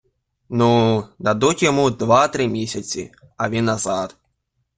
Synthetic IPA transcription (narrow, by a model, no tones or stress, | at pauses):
nud̪ad̪utʲjɔmud̪vat̪ɾɪmʲisʲɐt͡sʲḭ | ɐvʲinːɐzat̪